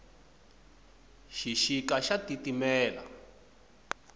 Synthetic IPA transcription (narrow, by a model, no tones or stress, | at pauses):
ʃiʃikaʃatitimɛːla̰